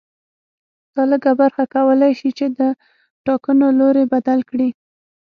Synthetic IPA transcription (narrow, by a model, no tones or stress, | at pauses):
d̪̥ɑləɡabaɾxakawəlajʃit͡ʃed̪ə | ʈɑkənoloɾebad̪alkɽi